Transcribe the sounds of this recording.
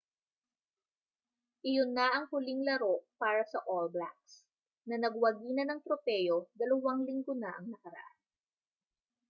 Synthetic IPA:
ʔɪjonːaʔɐŋhʊliŋlɐɾo̞ʔpaːɾɐsɐʔolbla̰k̚s | nɐnɐɡwɐɡiːnɐnɐŋt̪ɾopɛːjo̞d̪ɐlɐwaŋlɪŋɡonaʔɐŋnɐkɐɾɐ̰ʔan

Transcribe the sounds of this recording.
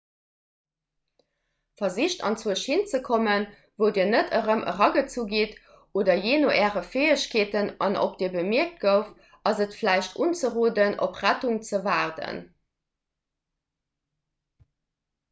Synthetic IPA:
fɐziɕtɑ̰nt͡suəʃhint͡səkʰomən | vəʊdiːɐnətʰəʁəmʔə̰ʁɑɡət͡suɡeːt | ʔoːdɐjeːnoʔɛːʁəfeːəɕkʰeːtənɑnʔo̰p̚d̥iːɐbəmiɐk̚t̚ɡ̥əʊf | ɑzətflæɪʃtʰʔuːnt͡səʁoːdəno̰pʁætuŋt͡səvaːʁdə̰n

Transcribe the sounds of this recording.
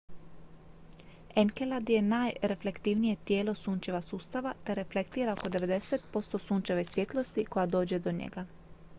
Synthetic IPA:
eŋkelad̪je̞naːjɾe̞fle̞kt̪iːʋnije̞t̪jeːlo̞suːnt͡ʃe̞ʋasuːst̪aʋat̪eɾe̞fle̞kt̪iːɾaoko̞d̪e̞ʋe̞d̪e̞set̪po̞st̪o̞suːnt͡ʃeʋesʋʲjet̪lˠost̪iko̞jad̪o̞ːd͡ʑed̪o̞ɲḛɡa

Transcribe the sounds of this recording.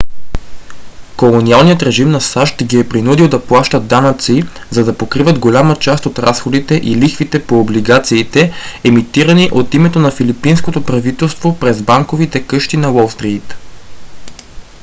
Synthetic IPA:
kolˠonialˠnijət̪ɾɛʒimnɐsaʃt̪ɡiɛpɾinud̪ilˠd̪ɐplˠaʃt̪əd̪anɐt̪si | zɐd̪ɐpokɾivɐt̪ɡolʲamət͡ʃast̪ot̪ɾasxod̪it̪ɛʔilixfit̪ɛpoːbliɡat̪siːt̪ɛɛmit̪iɾɐniʔot̪imɛt̪onɐfilipinskot̪opɾɐvit̪ɛlˠst̪vopɾɛzbaŋkovit̪ɛkɤʃt̪inɐwolˠfst̪ɾit̪

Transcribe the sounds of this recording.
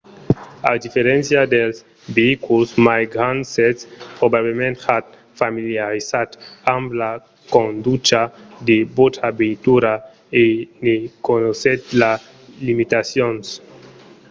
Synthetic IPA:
a̰d̪ifeɾẽnsjad̪els | beikulsmajɡɾansespɾobaβlemẽnt̪at̪̚ | familjaɾisat̪ambla | kond̪ut͡ʃad̪ebot̪ʰabent̪uɾa | enekonoset̪la | limit̪asjons

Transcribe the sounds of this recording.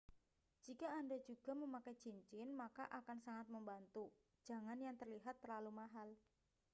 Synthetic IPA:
d͡ʒ̥ikaːndad͡ʒuɡ̥a̤məmakajd͡ʒiɲt͡ʃɪnmakaʔakansaŋat̪̚məmbant̪u̥ | d͡ʒ̥a̤ŋanjaŋt̪ərliɦat̪ːərlalumaɦal

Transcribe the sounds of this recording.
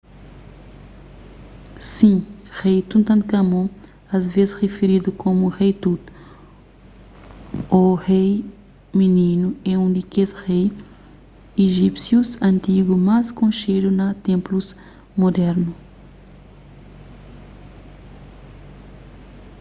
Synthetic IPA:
sĩʁejt̪ũnt̪ɐ̃nkɐmõ | ɐzvezɪsʁefeɾid̪ukomuʁejt̪ut̪ | oʁej | minĩnuɛũd̪ikesʁej | eʒipsjuzɐ̃nt̪iɡumaskõnʃed̪unɐt̪ẽmpluz | mod̪ɛɾnu

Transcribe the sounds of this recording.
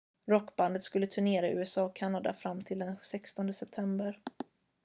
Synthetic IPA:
ɾɔkːband̪ət̪skɵlːət̪ʰɵɳeːɾaʔʉːɛsɑːɔkʰːanːad̪a̰fɾamːt̪ʰɪld̪ɛnsɛkst̪ɔnd̪əsɛp̚t̪ʰɛmbəɾ

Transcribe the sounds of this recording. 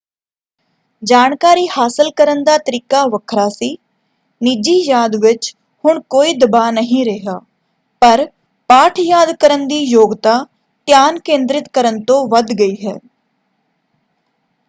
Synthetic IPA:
d͡ʒaːnkaːɾiːhaːsɪlkəɾənd̪aːt̪əɾiːkaːʋəkʰɾaːsiː | niːd͡ʒiːjaːd̪ʋɪt͡ʃ | hʊɳkoːiːd̪əbaːnəɦĩːɾeɦaː | pəɾ | paːʈʰjaːd̪kəɾənd̪iːjoːɡt̪aː | t̪jaːnkẽːnd̪ɾɪt̪kəɾənt̪õːʋəd̪ɡəiːɦɛ̰ː

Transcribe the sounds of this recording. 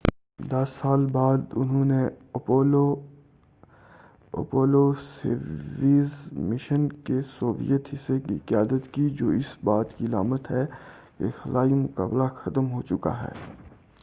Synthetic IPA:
d̪ɐsːaːlbaːd̪ʊnɦõːne | o | o̰poːlosḛʋiːzmɪʃənkesoːʋḭjət̪ɦɪsekḭqɪjaːd̪ət̪kid͡ʒoːɪsbaːt̪kiɐlaːmət̪ɦɛː | kḛxɐlaːimʊka̰ːblaxɐt̪əmɦoːt͡ʃʊka̰ɦɛ̰ː

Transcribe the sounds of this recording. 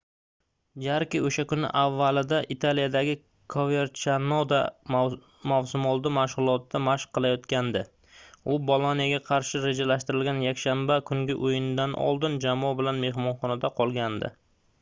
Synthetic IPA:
d͡ʒaɾkʲɪoʃakʊnɪ̰ʔavːalɪd̪aʔit̪ʰalijad̪aɡʲɪ | kʰove̞ɾt͡ʃʰanod̪a | mawsʊmɒlˠd̪ɪmaʃʁʊlˠɒt̪ːamaʃqʰːɨlˠajɒt̪kʲand̪ɪ | ʊbɒlˠanijaɡʲaqʰɑɾʃɪɾe̞d͡ʒalaʃt̪ɪɾɪlɡʲanjakʲʃambakʰʊŋɡʲɪʔojɪnɪd̪anʔɒ̰lˠd̪ɪnd͡ʒamɒbɪlanme̞ɦmɒnχɒnad̪aqʰɒlˠɡʲand̪ɪ̰

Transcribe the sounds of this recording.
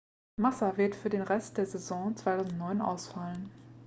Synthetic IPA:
masavɪɐtfyːɐdeːnʁɛst̚d̥eːɐzɛzɔ̃ːt͡sv̥aɪtʰaʊzn̩tnɔʏnʔa̰ʊsfalən

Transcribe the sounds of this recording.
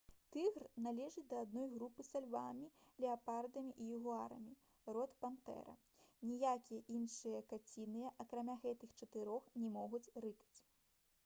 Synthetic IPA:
t̪ɨɣrnalʲɛʐɨt͡sʲd̪ɐːd̪nɔjɣɾupɨsalʲvamʲilʲɛapard̪ɐmʲiʔijuɣuaɾɐ̰mʲi | rɔt̪pant̪ɛ̰ɾɐ̰ | nʲijakʲijɐʔinʂɨjɐkat͡sʲinɨjɐʔɐkɾamʲaɣɛt̪ɨxt͡ʂɐt̪ɨɾɔxnʲɛmɔɣut͡sʲrɨkɐ̥t͡sʲ

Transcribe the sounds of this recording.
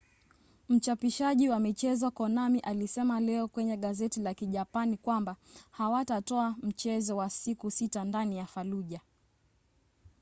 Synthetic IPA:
m̩t͡ʃapiʃaʄiwamit͡ʃɛzɔkɔnamiʔalisɛmalɛɔkwɛɲɛɠazɛtilakiʄapanikwambahawatatɔam̩t͡ʃɛzɔwasikusitandanijafaluʄa

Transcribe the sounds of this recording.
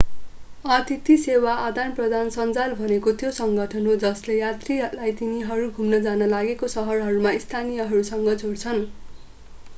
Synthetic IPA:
ʌt̪it̪isewaʔad̪anprʌd̪ʱansʌnt͡salbʱʌnekot̪josʌŋɡʌʈʰʌnɦod͡zʌslejat̪rilajt̪iniɦʌɾuɡʱumnʌd͡zanʌlaɡekosʌɦʌrɦʌɾumaist̪ʰanijʌɦʌɾusʌŋɡʌd͡zʱoɽt͡sʰʌn

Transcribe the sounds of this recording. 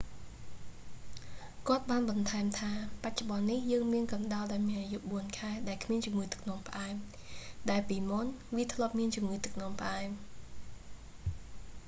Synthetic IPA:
kŏət̪̚ɓaːnɓɑnt̪ʰaɛmt̪ʰaːpac̚t͡ɕoɓɑnːihjəːŋmiənkɑnɗaɔlɗaɔlmiənʔajuʔɓuənkʰaɛɗaɛlkʰmiənt͡ɕumŋɨːjt̪ɨ̥k̚ʰnŏəmpə̆ʔaɛm | ɗaɛlpiːmunʋiət̪ʰlŏəp̚miənt͡ɕumŋɨːt̪ɨk̚ʰnŏəmpəʔaɛm

